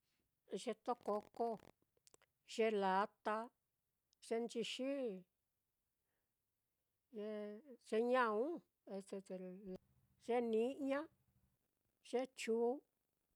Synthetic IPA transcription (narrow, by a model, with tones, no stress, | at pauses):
ʐe˧t̪o˦ko˧ko˦ | ʒ̥e˧la˨˦t̪a˧ | ʐ̥e˧nt͡ʃi˧ʃi˦ | ʒe˧ʐ̥e˧ɲã˦ũ˦ | e˧t̪e˧t̪e˧ | ʐe˦nĩ˧˦ɲã˦ | ʒ̥e˦t͡ʃuː˨˧˦